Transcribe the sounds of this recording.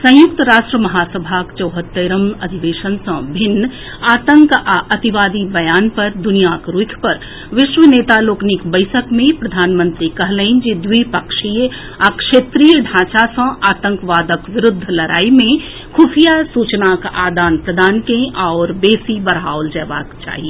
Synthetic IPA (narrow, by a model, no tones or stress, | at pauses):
sə̃jʊkt̪əɾaːʃʈɾəmɐɦaːsəbʱakt͡ʃəʊɦət̪ːeɾəmɐd̪ʱiʋeːʃənsə̃bʱɪnː | aːt̪ə̃ŋkaʔət̪iʋaːd̪ibɐjaːnpɐɾd̪ʊnijakɾukʰpɐɾ | ʋɪʃʋəneːt̪aloːknikbəɪsəkmẽpɾəd̪ʱaːnmə̃nt̪ɾikɐɦlẽɪ̃nd͡ʒid̪wipəkʃi | akʃeːt̪ɾijəɖʱãːt͡ʃasə̃ʔaːt̪ə̃ŋkʋaːd̪əkʋɪɾʊd̪ʱːlɐɾʔa̰ːimẽ | kʰuːpijasuːt͡ʃnakaːd̪aːnpɾəd̪aːnkẽʔɔːɾbeːsibəɾaːʊld͡ʒɛːʋa̰ːkt͡ʃa̰ːɦi